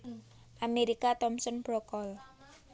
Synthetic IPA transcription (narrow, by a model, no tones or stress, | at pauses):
ʔameɾikat̪ɔmsɔnb̥ɾɔkɔl